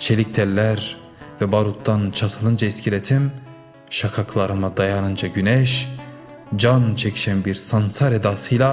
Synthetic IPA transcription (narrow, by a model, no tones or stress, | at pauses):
t͡ʃʰelʲic̚t̪ʰɛlʲːæɾ | vɛbaɾut̪ːant͡ʃʰat̪ʰɯlˠɯnd͡ʒaiscʰilet̪ʰim | ʃakʰakʰlˠaɾɯmad̪ajanɯnd͡ʒaɟynɛʃ | d͡ʒant͡ʃʰecʰi̥ʃænbiɾsansaɾed̪asɯjlˠa